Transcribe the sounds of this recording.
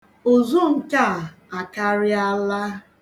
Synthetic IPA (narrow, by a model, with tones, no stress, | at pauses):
o˨zu˦ŋ̩˨ka˦˨ | a˨ka˦ɾɪ˦a˦la˦